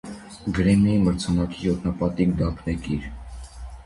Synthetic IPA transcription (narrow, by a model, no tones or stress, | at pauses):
ɡəɾɛmjɑiməɾt͡sʰɑnɑkijɔt̪ʰnɑpɑt̪ikd̪ɑpʰnɛkiɾ